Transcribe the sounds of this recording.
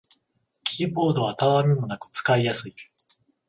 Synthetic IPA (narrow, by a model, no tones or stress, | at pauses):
kʲʰiːbo̞ːd̪o̞βat̪aβaɾɯnonakɯ̟̥t͡sɨ̥kaijasɨi